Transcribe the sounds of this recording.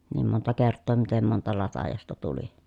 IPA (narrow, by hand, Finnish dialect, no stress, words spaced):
niːm montɑ kertːoː mitem montɑ lɑtɑjɑstɑ tuli